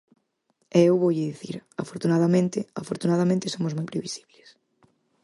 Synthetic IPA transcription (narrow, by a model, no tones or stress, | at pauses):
ɛewβowʎɪðiθiɾafoɾt̪unaðamẽnt̪ɪafoɾt̪unaðamẽnt̪esomozmojpɾeβisi̥βles